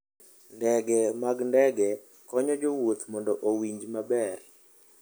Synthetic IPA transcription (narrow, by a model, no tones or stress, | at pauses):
ndɛɡɛmaɡndɛɡɛ | kɔɲɔd͡ʒowot̪mɔndɔʔowiɲd͡ʒmabɛr